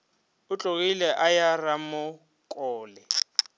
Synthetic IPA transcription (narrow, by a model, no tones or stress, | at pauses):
ʊt͡ɬʼok̬ʼilɛʔajaramʊ | kʼɔːlɛ